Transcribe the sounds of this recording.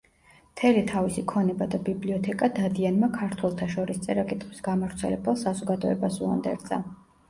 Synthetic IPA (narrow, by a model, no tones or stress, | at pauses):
mt̪ʰɛlit̪ʰavisikʰɔnɛbad̪abibliɔt̪ʰɛkʼad̪ad̪ianmakʰaɾt̪ʰwɛlˠt̪ʰaʃɔɾist̪sʼɛɾakʼit̪ʼχʼwisɡamavɾt̪sʰɛlɛbɛlˠsazɔɡad̪ɔɛ̰basṵa̰nd̪ɛ̰ɾd̪za̰